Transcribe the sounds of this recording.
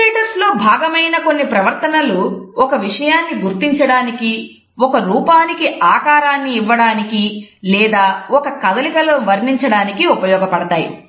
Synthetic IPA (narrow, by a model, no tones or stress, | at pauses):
eːʈɐɾslo̞ːbʱaːɡɐmɐjnɐko̞nːipɾɐʋɐɾt̪ɐnɐluɔkɐʋiʂɐjaːnːiɡuɾt̪iɲt͡ʃɐɽaːniki | ɔkɐɾuːpaːnikiaːkaːɾaːnːiːʋːɐɽaːnikilɛːd̪aːɔkɐkɐd̪ɐliɡɐloʋɐɾɳiɲt͡ʃɐɽaːnikiupɐjɔːɡɐpɐɽɐt̪aːjḭ